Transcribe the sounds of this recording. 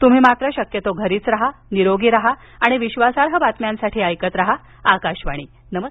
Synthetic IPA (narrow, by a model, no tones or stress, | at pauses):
t̪um̤iːmat̪ɾəɕəkjət̪oɡʱəɾiːt͡sɾaɦaniɾoɡiːɾaɦaː | ɽ̃iʋiɕʋasaɾɦəbat̪mjãnsaʈʰiːəjkət̪ɾaɦa | akaɕʋaɽ̃iː | nəmə